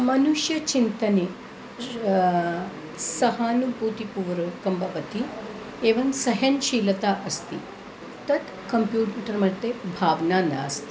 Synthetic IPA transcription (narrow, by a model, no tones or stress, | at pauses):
mɐnuʃjɐt͡ʃint̪ɐneː | sɐɦaːnubuːt̪ipuʋɾɐkɐmbɐʋɐt̪i | eːʋɐnsɐɦɐnʃiːlɐt̪aːʔɐst̪i | t̪ɐt̪ | kɐmpjuːʈɐɾmɐt̪ːebʱaːʋnaːna̰ːst̪i̥